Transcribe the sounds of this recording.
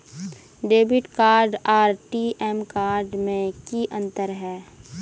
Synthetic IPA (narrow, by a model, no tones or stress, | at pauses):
ɖeːbɪʈkaːɾɖaːɾʈiʔɛmkaːɾɖmẽkiʔə̃nt̪əɾɦɛː